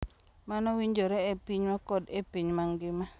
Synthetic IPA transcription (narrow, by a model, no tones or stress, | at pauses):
manɔwiɲd͡ʒoɾɛepiɲmakɔdepiɲmaŋɡɪma